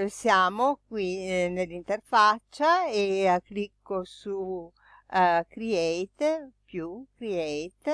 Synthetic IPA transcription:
osjaːmokwinelːint̪erfat͡ʃːaeakːlikːosu | kɾiɛjt̪pjukɾiɛjt̪

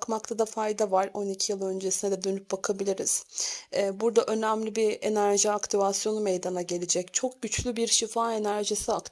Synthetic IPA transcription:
kmak̚t̪ʰad̪afajd̪avaɾo̞nicʰijɯlˠø̞nd͡ʒe̞sinɛd̪ɛd̪ø̞nyp̚bakʰabilʲiɾiz̥ɛːbuɾd̪aʔø̞næmlʲibienæɾʒiakt̪ʰivasjo̞numejd̪anaɟe̞lʲed͡ʒɛct͡ʃʰo̞k̚ɟyt͡ʃlʲybiɾʃifaːe̞næɾʒisiakt̪

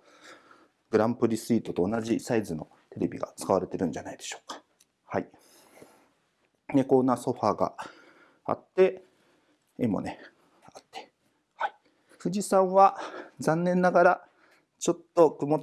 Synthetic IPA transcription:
ɡ̥ɯ̟ɾãmpɯ̟ɾʲisɨiːt̪o̞t̪o̞ːnaʑisaizɨno̞̰ | t̪e̞ɾe̞bʲḭɡa̰t͡sɨ̥kaβ̞aɾe̞t̪e̞ɾɯ̟̃ɲd͡ʑanaid̪e̞ɕo̞̥ːkḁ | hai | ne̞ko̞nːaso̞ɸaːɡa̰ | a̰t̪ːe̞ | emo̰ne | at̪ːe̥ | hai | ɸɯ̟d͡ʑisãɰ̃βazãnːẽ̞nːaɡaɾa | t͡ɕo̞t̪ːo̞kɯ̟mo̞

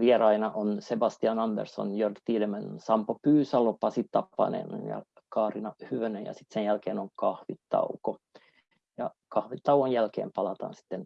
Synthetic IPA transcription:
ʋiɛrɑinɑʔonsebɑst̪iɑnɑmbḛrso̰njørd̪t̪iːlemænsɑmpopyːsɑlopɑsit̪t̪ɑpːɑ̰nḛn̰njɑ̰ | kɑːrinɑhyʋønejɑ̰sit̪senjælkeːnoŋkɑhʋit̪tːɑ̰uko | jɑkɑhʋit̪ːɑuonjælkḛːmpɑlɑt̪ɑ̰nsi̥t̪ːen

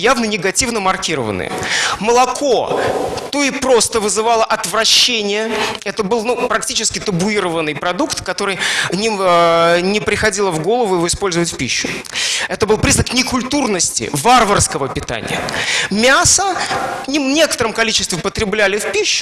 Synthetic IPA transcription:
javnənʲɪɡɐtʲivnəmɐrkʲiɾə̰və̰nɨ̰j̰məlˠɐkʰot̪oɪpɾo̞st̪əvɨzɨvalˠəʔɐt̪vɾɐɕːenʲɪjəɛt̪əbɨlˠnupɾɐktʲit͡ɕɪskʲɪt̪əbʊiɾəvənːɨjpɾɐd̪ukt̪kɐt̪o̞ɾɨjnʲɪ | nʲɪpɾʲɪxɐdʲilˠəvɡo̞lˠəvʊjɪvoɪspo̞lʲzəvətʲfʲpʲiɕːʊ̥ɛt̪əbɨlˠpɾʲiznəknʲɪkʊlʲt̪urnəsʲtʲɪ̰varvərskəvəpʲɪt̪a̰nʲɪ̰jə̰mʲasənʲinʲe̞kə̥t̪əɾəmkɐlʲit͡ɕɪst̪vʲɪpət̪ɾʲɪblʲælʲɪfpʲiɕːʊ̥

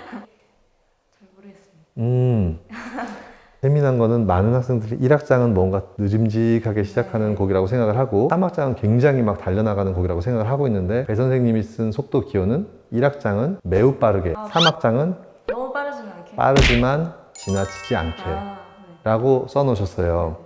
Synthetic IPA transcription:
ɯ | teminanɡʌnɯnmanɯnhak̚s͈e̞ŋdɯɾiʔiɾak̚t͡ɕ͈aŋɯnmwʌnɡanɯd͡ʑimd͡ʑikʰaɡe̞ɕʰid͡ʑakʰanɯnkʌɡiɾaɡosʰe̞ŋɡaɡɯɭɦaɡoamak̚t͡ɕ͈aŋɯnkwe̞ŋd͡ʑaŋimak̚taʎːʌnaɡanɯnkʌɡiɾaɡosʰŋɡaɡɯɭɦaɡoinːɯnde̞pe̞sʰʌnsʰeŋɲimis͈ɯnsʰok̚t͈okiʌnɯn | iɾak̚t͡ɕ͈aŋɯnme̞up͈aɾɯɡe̞sʰamak̚t͡ɕ͈aŋɯn | p͈a̰ɾɯd͡ʑimant͡ɕinat͡ɕʰid͡ʑia̰nkʰe | ɾaɡos͈ʌnʌɕʰʌs͈ʌjo

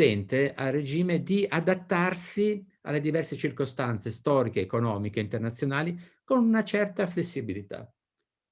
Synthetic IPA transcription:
ɛnt̪ea̰lːed͡ʒiːmed̪iad̪at̪ːarsi | a̰lːed̪ivɛrset͡ʃirkost̪ant̪sest̪ɔːɾikeːkonɔːmikeint̪ernat̪sːjonaːlikonunat͡ʃɛrt̪aflesːibilit̪a̰

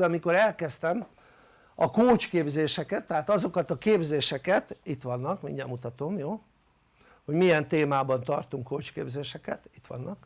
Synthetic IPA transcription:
bɛmiko̞ɾɛlkɛst̪ɛm | ɒkoːt͡ʃkeːbzeːʃɛkɛt̪ːɛɦaːt̪ɒzo̞kɒt̪ɒkeːbzeːʃɛkɛt̪it̪ʋɒnːɒkmḭŋɲɛmːut̪ɒt̪o̞mjoː | ho̞ɟmijɛnt̪eːmaːbɒnt̪ɒrt̪uŋkːoːt͡ʃkeːbzeːʃɛkɛt̪it̪ʋɒ̰nːɒk

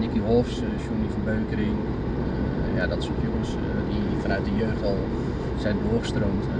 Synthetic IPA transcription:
nikəɦolˠfs | ʃunifɔnbøːkəɾin | jadɔtɪ̥sokjoəns | difɔnœɥt̚dəjøxtɔlˠ | sɛjndoəxəstroːmt

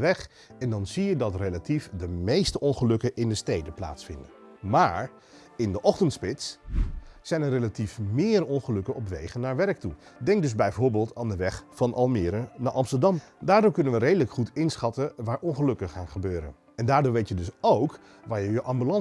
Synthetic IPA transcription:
əʋɛχ | ɛndɑnzijədɑtrelatifdəmejstəɔnχəlɵkəʔɪndəstejdəpla̰ːtsfɪ̰ndən | maːɹ | ɪndəʔɔχtəntspɪts | sɛjnɛrejlatifmɪːrɔnχəlɵkənɔpʋḛjχənːaːɹʋɛɹk̚tu | dɛŋk̚dɵzbɛjvʊːɹbɪːlˠtaːndəʋɛχfɑnʔɑ̰lˠmɪːɾənaːɹʔɑmstəɹdɑm | daːɹdoːɹkɵnənʋəɾejdələkχutɪnsχɑtəʋaːɹʔɔnχəlɵkəχaːnχəbøːɾə̰n | ɛndaːɹdoːɹʋejtjədɵsowk | ʋaːɹjəjəʔɑmbylɑn

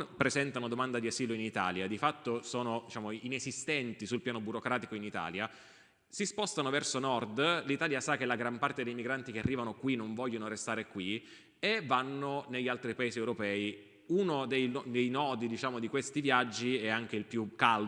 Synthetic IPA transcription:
pɾezɛnt̪anod̪omand̪ad̪iaziːloinit̪a̰ːljad̪ifat̪ːosoːnod̪it͡ʃaːmoinezist̪ɛnt̪isulpjaːnobuɾokɾaːt̪ikoinit̪a̰ːlja | sispɔst̪anovɛrsonɔrd̪lit̪aːljasak̟ːelaɡɾampart̪ed̪ejmiɡɾant̪ik̟earːiːvanokwinoɱvɔʎːonoɾest̪aːɾekwi | evanːoneʎːalt̪ɾipaeːziewɾopɛːi | unod̪ejd̪ejnɔːd̪id̪it͡ʃaːmod̪ikwest̪ivjad͡ʒːiɛaŋk̟eilpjukːal

